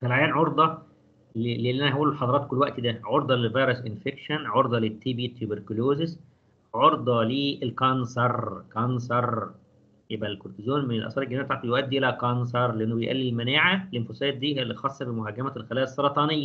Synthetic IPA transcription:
fælʕajæːnʕoɾd̪ˤɑ | llːilːʔænæhæʔuːllħɑd̪ˤɑɾˤɑːt̪̚kolːwæʔt̪d̪æʕoɾd̪ˤɑlevɑjɾesʔenfekʃænʕoɾd̪ˤɑlet̪ːibiːt̪ːubeɾkuloːzɪs | ʕoɾd̪ˤɑliʔelkɑnsɑɾˤkɑnsɑɾˤ | jebʔælkoɾt̪izoːnmenelʔɑ̰sˤɑɾˤelɡænæːb̚t̪ɑʕt̪ˤibjoʔæd̪ːiʔelækɑns̬ɑɾˤleʔenːobejʔæ̰lːilmænæːʕælenfosæːt̪̚d̪iːɦælːixɑsˤːɑbemoɦæɡæmælxælæːæsˤːɑɾˤɑt̪ˤɑːnejːæ

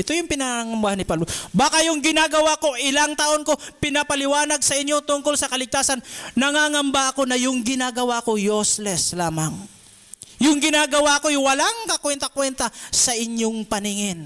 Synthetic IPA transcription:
ʔɪt̪o̞jʊŋpɪnaaŋɐmbahanɪpabobaːkɐjʊŋɡɪnaːɡɐwako̞ʔɪlaŋt̪ɐʔo̞nko̞pɪnɐpɐlɪwaːnɐɡ̚sɐʔɪɲːo̞t̪ʊŋkolsɐkɐlɪɡ̚t̪aːsɐnnɐŋaːŋɐmbaʔɐko̞nɐjʊŋɡɪnaɡɐwaʔko̞joslɛslaːmɐŋ | jʊŋɡɪnaːɡɐwaɐkojwɐlaŋkɐkwɛnt̪ɐkwɛnt̪ɐsɐʔɪɲjoŋpɐnɪŋɪn

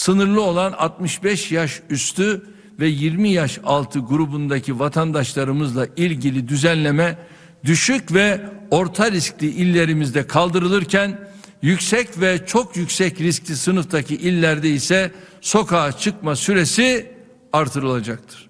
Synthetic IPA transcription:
sɯnɯɾlˠɯo̞lˠana̰t̪̚mɯʃbɛʃjaʃyst̪ʰy | vɛjiɾmijaʃalˠt̪ʰɯɡuɾubund̪acʰivat̪ʰand̪aʃlˠaɾɯmɯzlˠailʲɟilʲid̪yzænlʲe̞mɛ | d̪yʃycvɛo̞ɾt̪ʰaɾisclʲiʔilʲːe̞ɾimizd̪ɛkʰalˠd̪ɯɾɯlˠɯɾcʰæn | jycsɛcvɛt͡ʃʰo̞kʰjycsɛcɾisclʲisɯnɯft̪acʰiʔilʲːæɾd̪ɛisɛ | so̞kʰaːt͡ʃʰɯk̚masyɾe̞si | aɾt̪ʰɯɾɯlˠad͡ʒak̚t̪ʰɯ̥ɾ̥

